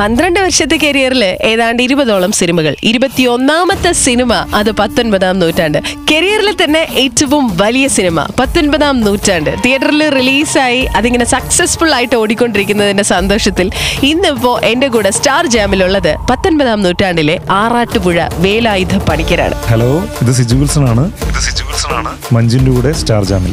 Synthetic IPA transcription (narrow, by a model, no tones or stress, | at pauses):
pɐnd̪iɾɐɳɖɨʋɐɾʂɐt̪ːekeɾijɐrileːðaːjɳɖɨiɾubɐðo̞ːɭɐmsinimɐɣɐ̰ɭiɾubɐt̪ːio̞nːaːmɐt̪ːɐsinimɐɐðɨpɐt̪ːo̞nbɐðaːmnuːtːaːɳɖɨkeɾijɐrilt̪ɐnːe̞ʔetːɐʋumʋɐlijɐsinimɐ̰pɐt̪ːo̞nbɐðaːmnuːtːaːɳɖɨt̪ijɐʈːɐrilriliːsaːjiʔɐðiŋːɐne̞sɐksesfuɭaːjiʈːɨo̞ːɽikʲːo̞ɳɖiɾikʲːunːɐðindesɐnd̪o̞ːʂɐt̪ːilinːipːo̞ːʔe̞ndek̬uːɽe̞staːrd͡ʑaːmiluɭːɐðɨpɐt̪ːonbɐðaːmnuːtːaːɳɖileaːraːʈːɨpuɻɐ̰ʋe̞ːlaːjud̪ʱɐpɐɽikʲːɐɾa̰ːɳɨ̰heloːiðɨsid͡ʑuɣɐlsɐnaːɳɨiðɨsid͡ʑuʋɐlsɐnaːɳɨ | mɐɲd͡ʑundukuːɽe̞staːrd͡ʑa̰ːmil